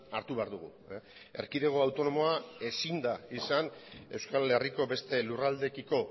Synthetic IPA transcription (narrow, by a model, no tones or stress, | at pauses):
aɾt̪uβeaɾðuɣ̞ṵ | e̞ɾkiðeɣ̞o̞awt̪o̞no̞mo̞ae̞sind̪aisane̞wskale̞riko̞be̞st̪e̞lurald̪e̞kiko̞